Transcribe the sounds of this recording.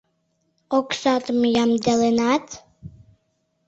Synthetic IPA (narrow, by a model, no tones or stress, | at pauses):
oksɑt̪mjamd̪elenat̪